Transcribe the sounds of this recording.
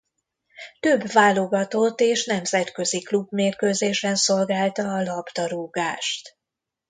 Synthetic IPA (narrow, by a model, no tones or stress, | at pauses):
t̪øbvaːlo̞ɡɒt̪o̞t̪ːeːʃn̪ɛmzɛt̪kø̞ziklubmeːrkøːzeːʃɛnso̞lɡaːlt̪ɒːlɒbd̪ɒɾuːɡaːʃt̪